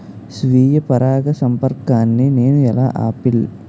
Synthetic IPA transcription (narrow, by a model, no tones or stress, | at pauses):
sʋiːjɐpɐɾaːɡɐsɐmpɐɾkaːnːineːnuɛla̰ːʔa̰ːpil